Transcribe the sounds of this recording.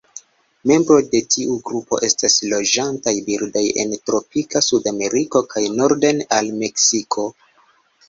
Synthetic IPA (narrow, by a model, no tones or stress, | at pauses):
me̞mbɾo̞de̞tʰiʔuɡɾupo̞̰ʔe̞staslo̞d͡ʒantajbildaje̞̰ntɾo̞pikasudame̞ɾiko̞kajno̞ɾdenalme̞ksikʰo̞